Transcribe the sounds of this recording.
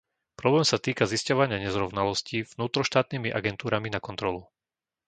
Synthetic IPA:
pɾɔblɛːmsat̪iːkaziscɔʋaɲɪaɲɛzɾɔʋnalɔscivnuːt̪ɾɔʃt̪aːt̪̚niːmiʔaɡɛnt̪uːɾaminakɔnt̪ɾɔlu

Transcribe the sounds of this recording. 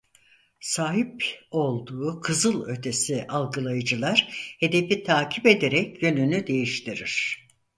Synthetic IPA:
saːɦipo̞lˠd̪uːkʰɯzɯlˠø̞t̪ʰe̞siʔalˠɡɯlˠajɯd͡ʒɯlˠaɾ̥he̞d̪e̞fit̪ʰaːcʰipe̞d̪eɾɛcjø̞nynyd̪e̞jiʃt̪ʰiɾiɾ̥

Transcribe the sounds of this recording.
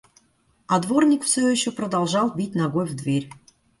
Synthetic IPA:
ɑd̪vornʲikfsʲøjiɕːopɾəd̪ɑlˠʒɑlˠbʲit̚ʲnaɡojvd̪vʲerʲ

